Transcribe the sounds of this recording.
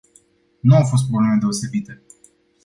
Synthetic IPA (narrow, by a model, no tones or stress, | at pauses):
nuawfo̞s̬t̪̚pɾoble̞me̞d̪e̞o̞se̞bit̪e